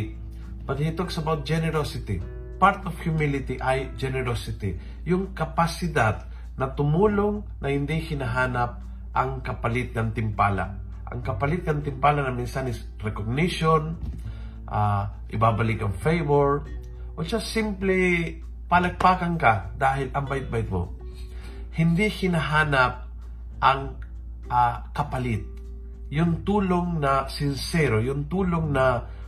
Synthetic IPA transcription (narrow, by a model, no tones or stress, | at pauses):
pɐd̪hit̪oɡ̚sɐbawt̪̚d͡ʒɛnɛɾosɪt̪ɪ | paɾt̪ofhjʊmɪlɪt̪ɪʔajd͡ʒɛnɛɾosɪt̪ɪ | jʊŋkɐpasɪd̪ad̪̚ | nɐt̪ʊmuːloŋ | nɐhɪnd̪ihɪnɐɦaːnɐp̚ | ʔɐŋkɐpɐlɪt̪̚kɐnt̪ɪmpaːla̰ʔ | ʔɐ̰ŋkɐpɐlɪt̪̚kɐnt̪ɪmpaːlanɐmɪnsanɪs | ɾɛkoɡ̚nɪʃon | ʔaʔɪbaːbɐlɪkɐŋfɛjvoɹ | ʔot͡ʃasɪmplɛ | palɐɡ̚paːkɐŋkad̪aːɦɪlʔɐmbajɪt̪̚bajɪt̪̚mo̰ | hɪnd̪ihɪnaɦaːnɐp̚ | ʔɐŋ | ʔakɐpɐlɪt̪̚ | jʊŋt̪uːloŋnɐsɪnsɛɾojʊŋt̪uːloŋnɐ